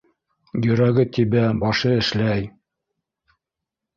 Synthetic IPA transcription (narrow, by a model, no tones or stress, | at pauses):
jɵ̆ɾæɡɘt̪ibæbɑʃɤɘ̆ʃlæj